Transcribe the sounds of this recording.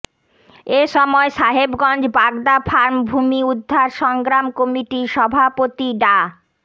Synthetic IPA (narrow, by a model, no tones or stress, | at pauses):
eʃɔmɔeʃaɦebɡɔnd͡ʑbaɡd̪afʰaɾmbʱumiud̪ʱːaɾʃɔŋɡɾamkomiʈiʃɔbʱapot̪iɖa